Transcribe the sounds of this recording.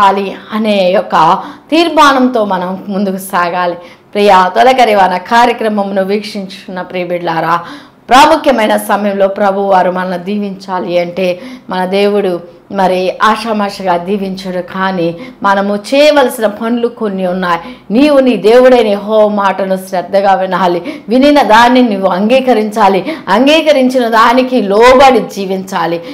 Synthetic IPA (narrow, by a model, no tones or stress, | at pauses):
aːliɐne̞ːjɔkːɐt̪iːɾmaːnɐmt̪o̞ːmɐnɐmumund̪ukusaːɡaːli | pɾiːjat̪ɔlɐkɐɾiʋaːnɐkaːɾjɐkɾɐmɐmnuʋiːkʂiɲt͡ʃu̥unːɐpɾiːbiɖlaːɾaː | pɾaːmukʰjɐmɐjnɐsɐmɐjɐmlo̞ːpɾɐbʱuʋaːɾumɐnɐnud̪iːʋiɲt͡ʃaːliɐɳʈe̞ːmɐnɐd̪e̞ːwuɽu | mɐɾiaːʂɐmaːʂɐɡaːd̪iːʋiɲt͡ʃɐɽukʰaːnimɐnɐmut͡ʃɛːʋɐlɐsinɐpʰɐnlukonːiunːaːji | niːʋuniːd̪e̞ːʋuɽɐjnɐjeɦoːʋɐmaːʈɐnusɾɛd̪ːɐɡaːʋinaːliʋininɐd̪aːnːinuʋːuɐŋɡiːkɐɾiɲt͡ʃaːliɐŋɡiːkɐɾiɲt͡ʃinɐd̪aːnikilɔːbaɽid͡ʒiːʋiɲt͡ʃaːli